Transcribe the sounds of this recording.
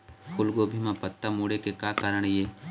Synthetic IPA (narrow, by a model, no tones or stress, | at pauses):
kʊlɡoːbʱimãpət̪ːamuːɽekekjaːkaːɾəɳ̃jeː